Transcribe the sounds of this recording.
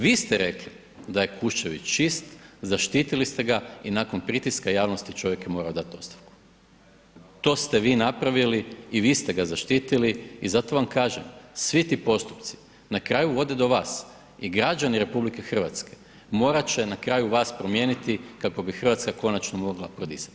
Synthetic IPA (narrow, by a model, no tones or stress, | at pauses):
ʋiːst̪eɾe̞kli | d̪aje̞kuʃt͡ʃeʋḭt͡ʃist̪zaʃt̪iːt̪ilist̪e̞ɡainako̞npɾit̪iskajaːʋno̞st̪it͡ʃo̞ʋje̞kjemo̞ːɾaod̪at̪o̞st̪ḁfku̥ | t̪o̞ːst̪eʋiːnapɾaʋiliiʋiːst̪e̞ɡazaʃt̪iːt̪iliizat̪o̞ʋamkaːʒemsʋit̪iːpo̞st̪u̥pt̪si̥ | nakɾaːjuʋo̞d̪ed̪o̞ʋaːs | iɡɾad͡ʒaniɾe̞publike̞xr̩ʋat̪ske̞ | mo̞ːɾat͡ɕe̞nakɾaːjuʋaːspɾo̞mje̞ːnit̪ikako̞bixr̩ʋat̪skako̞nat͡ʃnomo̞ɡlˠapɾod̪ḭsḁt̪